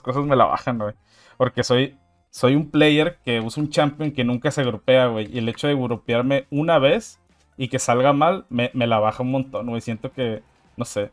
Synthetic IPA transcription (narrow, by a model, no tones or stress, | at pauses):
skos̬azme̞la̰βa̰xaŋwej | po̞ɾke̞so̞j | so̞jumpleje̞ɾke̞usount͡ʃampjo̞ŋke̞nũŋkase̞ɣɾope̞aɣwe̞jiele̞t͡ʃo̞ðe̞ɣuɾupjaɾme̞unaβe̞s | ike̞salɣamalmeme̞laβ̞axaunmõ̞nt̪o̞nɡwejsje̞nt̪oke̞ | no̞se̞